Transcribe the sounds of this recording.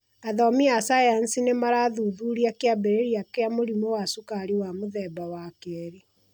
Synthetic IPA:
aðɔmiasajansinemaɾaːðuðuɾiakeabɛɾeɾiakeamoɾimowasukaɾiwamoðɛbawakɛɾi

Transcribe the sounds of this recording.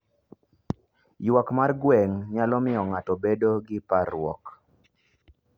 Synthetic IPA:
jwakmarɡwɛŋɲalɔmɪɔŋatɔbedoɡɪpaɾʊwɔ̰k

